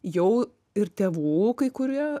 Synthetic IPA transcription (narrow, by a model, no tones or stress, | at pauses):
jɛʊ | ɪɾt̪ʲeːʋuːkɐɪkʊɾʲiɛ